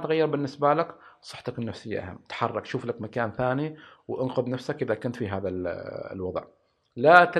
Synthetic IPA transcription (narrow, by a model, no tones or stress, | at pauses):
t̪ɣajːɑɾˤbɪnːɪsbalaksˤɑħt̪ɑkɪnːafsɪjːa̰ʔa̰ha̰mːt̪ħɑrˤːɑkʃuːflakmakaːnθaːniwʔɪnqʊðnafsakʔɪðakʊnt̪fiɦaːða̰lwɑðˤʕ | lat̪